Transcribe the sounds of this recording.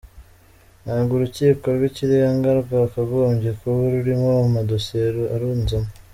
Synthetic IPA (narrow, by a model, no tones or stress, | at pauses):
naːɡuɾuciːko̞ɾɡwiciɾeŋɡaɾuvakaɡoːmbɟekoβuɾuɾimomadoseɾoaɾuːnzamo